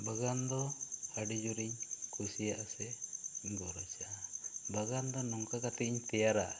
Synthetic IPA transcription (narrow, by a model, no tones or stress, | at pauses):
baɡand̪ɔhaɖid͡ʒuɾiɲkʰusijaʔasɛɲɡɔɾat͡ʃaʔabaɡand̪ɔnɔŋkakat̪ɛiɲt̪ɛjaɾa